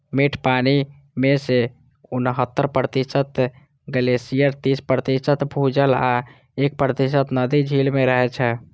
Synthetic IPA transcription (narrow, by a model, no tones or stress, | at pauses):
miʈʰpani | mese | unɦət̪ːəɾpɾət̪isət̪ | ɡəlesijəɾt̪ispɾət̪isət̪bʱud͡ʒəla | ek̚pɾət̪isət̪nəd̪id͡ʒʱilmeɾəɦɛt͡ʃʰɛ